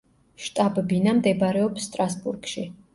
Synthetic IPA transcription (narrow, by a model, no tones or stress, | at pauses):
ʃt̪ʼabbinamd̪ɛbaɾɛɔpsːt̪ʼɾasbuɾɡʃi